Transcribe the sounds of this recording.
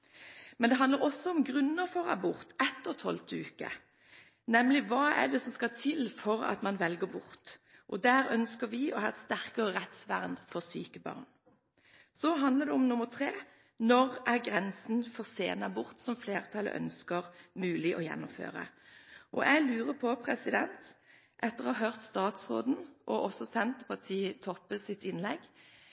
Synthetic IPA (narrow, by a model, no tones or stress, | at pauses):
mɛnd̪ɛɦɑnd̪əʁɔsːɔɔmɡʁʉnːəʁfɔʁɑ̰bʊʁt̪ʰɛt̪ːəʁt̪ʰɔlt̪ʰʉːkə̰ | nɛmlɪʋɑːæ̰d̪ɛsɔmskɑt̪ʰɪlfɔʁɑ̰t̪mɑnʋɛlɡəbʊʁt̪ʔɔd̪æːɾœnskəɾʋɪʔɔhɑːst̪æʁkəʁəʁɛt̪sʋæ̰ʁnfɔʁsyːkəbɑ̰ːʁn | sɔɦɑnd̪ləʁd̪ɛɔmnʊməʁt̪ʰʁeː | nɔʁʔæʁɡʁɛnsn̩fɔʁsḛːnɑbʊʁt̪sɔmfleːʁt̪ʰɑlə̰ʔœ̰nskəʁmʉːlɪʔɔjɛ̰nːɔmfø̰ːʁə̰ʔɔʔælʉːʁəpʰɔpʰʁɛsɪd̪ɛnt̪ | ʔɛt̪ːəʁɔhɑːɦøʁt̪st̪ɑːt̪sʁo̰ːd̪n̩ʔɔʔɔsɔsɛnt̪əpʰɑʁt̪ʰiːət̪ʰɔpːəsɪt̪ːɪnlɛɡ